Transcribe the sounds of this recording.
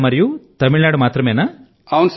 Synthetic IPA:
mɐɾɐjut̪ɐmiɭnaːɽumaːt̪ɾɐmeːna | ɐwns

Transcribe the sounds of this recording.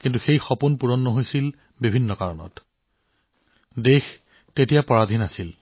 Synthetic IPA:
kint̬uxejxɔpunpuɹɔnːɔɦojsil | bibʱinːɔkaɹɔnɔ̰t | dex | tetijapɔɹadʱinasil

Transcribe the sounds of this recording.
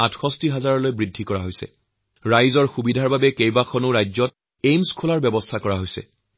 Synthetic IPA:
atʰxɔstiɦazaɹɔlojbɹidʱːikɔɹaɦojsɛ̰ | ɹajzɔɹxubidʱaɹbabɛkejbakʰɔnʊɹajzɔt̚ | ejmskʰolaɹbɛbɔstʰakɔɹaɦojsɛ̰

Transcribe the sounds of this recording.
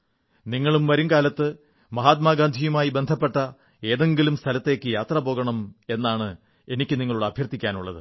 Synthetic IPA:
niŋːɐɭumʋɐɾuŋkaːlɐt̪ːɨ | mɐɦaːt̪̚maːɡaːnd̪ʱijumaːjibe̞nd̪ʱɐpːe̞ʈːɐ | e̞ːðe̞ŋɡilumst̪ʰɐlɐt̪ːe̞ːkːɨjaːt̪rɐbo̞ːɡɐɳɐme̞nːaːɳɨ | e̞nikʲːɨniŋːɐɭuɽeɐbʱjɐrt̪ːikʲːaːnuɭːɐ̰ðɨ̰

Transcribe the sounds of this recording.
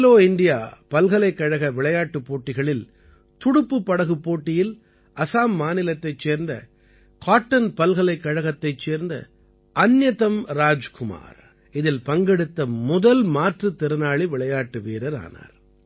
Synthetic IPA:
loːɪɳɖɪja̰ːpɐlɣɐɭɐɪkːɐɻɐɣɐʋɪɭɐjaːʈːɯpːoːʈːɪɣɐɭɪl | t̪ʊɽʊpːɯpːɐɽɐɣɯpːoːʈːɪjɪl | ʔɐsaːmːaːnɪlɐt̪ːɐɪt͡ʃːeːɾnd̪ɐ̰ | kaːʈːɐnpɐlɣɐɭɐɪkːɐɻɐɣɐt̪ːɐɪt͡ʃːeːɾnd̪ɐ̰ | ʔɐnjɐt̪ɐmɾaːd͡ʒkʊma̰ːɾ | ɪðɪlpɐŋɡɛɽɯt̪ːɐmʊðɐlmaːʈrɯt̪ːɛɾɯnaːɭiʋɪɭɐjaːʈːɯʋeːɾɐɾa̰ːna̰ːɾ

